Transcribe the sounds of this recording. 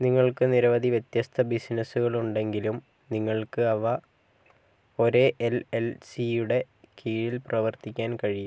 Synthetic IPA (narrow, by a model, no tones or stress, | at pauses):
niŋːɐɭkɨniɾɐʋɐd̪ʱiʋjet̪jɐst̪ʰɐbisnɐsuɣɐɭuɳɖe̞ŋɡilum | niŋːɐɭkɨɐʋɐ | o̞ɾeʔelelsijuɽe̞ | kʰiːɻilprɐʋɐrt̪ikʲːaːnkɐɻiju